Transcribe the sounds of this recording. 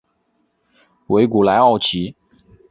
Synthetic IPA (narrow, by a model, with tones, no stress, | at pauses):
we˧˥ɪku˨˩la˧˥ɪɑ˥˩ʊt͡ɕʰi˧˥